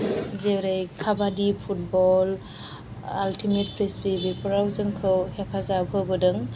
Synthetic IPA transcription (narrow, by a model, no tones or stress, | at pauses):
zewɾejkʰabadipʰut̚bɔl | altʰimet̚pɾespebipɾawzɯŋkʰɯwhepʰazapʰɯbɯdɯŋ